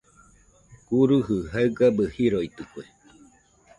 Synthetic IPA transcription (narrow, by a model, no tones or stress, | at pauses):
kuɾuɦɨɦaɨɡabəhiɾoit̪ɨkue